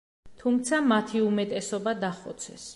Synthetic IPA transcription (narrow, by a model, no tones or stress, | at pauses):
t̪ʰumt̪sʰamat̪ʰiumɛt̪ʼɛsɔbad̪aχɔt̪sʰɛ̰s